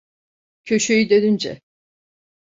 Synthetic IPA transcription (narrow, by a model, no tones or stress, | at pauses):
cʰøʃøjyd̪ønynd͡ʒɛ̰